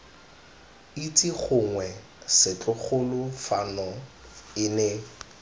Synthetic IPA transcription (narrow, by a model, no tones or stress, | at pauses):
itʼiχʊŋwɛ | sɪt͡ɬʼʊχʰʊlʊfanɔ | ɪne